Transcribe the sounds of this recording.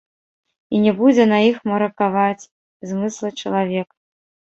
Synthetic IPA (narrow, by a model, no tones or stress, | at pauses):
inʲɛbud͡zʲɛnɐixmɐɾɐkavat͡sʲ | zmɨslˠɐt͡ʂɐlˠavʲɛk